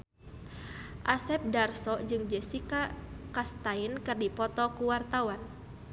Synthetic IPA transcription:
ʔasɛp̚darsɔd͡ʒɨŋd͡ʒɛsikakast̪ainkɨrdipɔt̪ɔkuwart̪awan

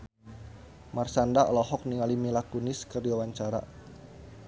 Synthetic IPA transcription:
marsandaɔ̰lɔɦɔk̚niŋalimilakunɪskərdiwawaɲt͡ʃaɾa̰

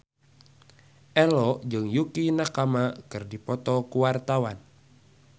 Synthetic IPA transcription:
ʔɛlɔd͡ʒɨŋjukinakamakɨrdipɔt̪ɔkuwart̪awan

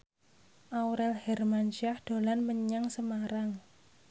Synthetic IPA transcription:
ʔawɾɛlhɛrmant͡ʃiahd̪̥o̤lanməɲaŋsəmaɾaŋ

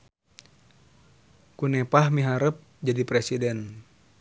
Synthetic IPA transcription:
kunɛpahmiɦaɾəp̚ | d͡ʒadipɾɛsidɛn

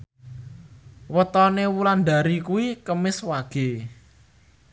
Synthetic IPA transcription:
wət̪ɔnewuland̪a̤ɾikuwikəmɪswaɡ̥e̤

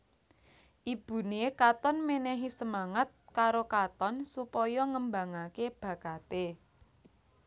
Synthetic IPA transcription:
ʔib̥ṳnekat̪ɔnmenɛɦisəmaŋət̪̚kaɾokat̪ɔnsupɔjɔŋəmba̤ŋakeb̥ä̤kat̪e

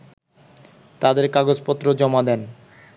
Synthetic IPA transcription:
t̪ad̪eɾkaɡod͡ʑpɔt̪ːɾod͡ʑɔmad̪ɛn

